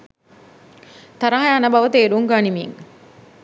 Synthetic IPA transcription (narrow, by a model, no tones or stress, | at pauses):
t̪ɐɾaɦɐjaːnɐbɐʋɐt̪eːɾuŋɡaːnimiːŋ